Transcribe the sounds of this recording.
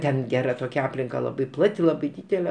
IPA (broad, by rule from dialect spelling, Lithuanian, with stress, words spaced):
ˈtʲɛn ˈɡʲæːrɐ ˈtoːkʲɛ ˈɑːpʲlʲɪŋkɐ ˈlˠɑːbɐɪ ˈplˠɑːtʲɪ ˈlˠɑːbɐɪ ˈdʲiːdʲɛlʲɛ